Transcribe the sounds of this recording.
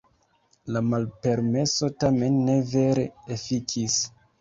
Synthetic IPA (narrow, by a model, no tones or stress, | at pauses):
lamalpe̞ɾme̞so̞tame̞nːe̞ve̞ɾeefikʰis